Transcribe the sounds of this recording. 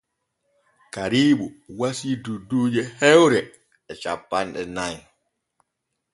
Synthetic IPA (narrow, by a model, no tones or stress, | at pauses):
kaɾiːɓuwasidudːuːd͡ʒɛhɛwɾɛ | ɛt͡ʃapːanɗɛnaj